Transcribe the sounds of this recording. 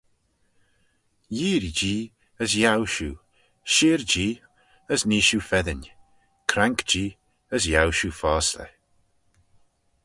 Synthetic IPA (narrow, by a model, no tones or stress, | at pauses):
jiːɾid͡ʒiː | əzjawʃuː | ʃiːɹd͡ʒiː | əzniːʃufɛðɪn | kʰɾaŋkd͡ʒiː | əzjawʃufaːslə̰